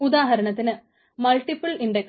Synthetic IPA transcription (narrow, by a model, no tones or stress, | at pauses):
ud̪aːɦɐɾɐɳɐt̪ːinɨ | mɐlʈipːɨliɳɖek